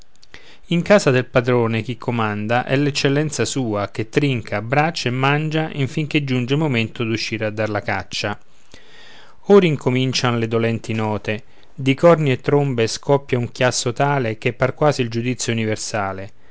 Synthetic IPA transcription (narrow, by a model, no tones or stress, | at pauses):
iŋkaːsad̪elpad̪ɾoːnek̟ikʰːomand̪aʔɛlːɛt͡ʃːelːɛnt̪sasuːak̟et̪ːɾiŋkʰabːɾat͡ʃːaemːand͡ʒaʔiɱfiŋk̟ed͡ʒund͡ʒelmoment̪ʊd̪uʃːiːɾead̪ːarlakat͡ʃːa | ɔːɾiŋkomint͡ʃanlɪd̪olɛnt̪inɔːt̪e | d̪ikɔrniet̪ːɾombeskʰɔpːjauŋkjasːot̪aːlek̟epːarkwaːsild͡ʒud̪it̪sːjouniversaːle